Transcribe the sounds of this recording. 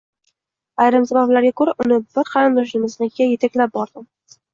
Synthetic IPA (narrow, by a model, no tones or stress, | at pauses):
ajɾɪmsabablaɾɡʲakʰoɾaʔʊnɪbɪɾqʰɑɾɨmd̪ɒʃ̬nɪmɪznɪɡʲaje̞t̪ʰakʲlap̚bɒɾd̪ɪm